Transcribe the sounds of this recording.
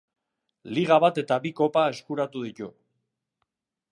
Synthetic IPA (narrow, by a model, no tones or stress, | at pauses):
liɣ̞aβat̪e̞t̪aβiko̞pae̞skuɾat̪uðit̪u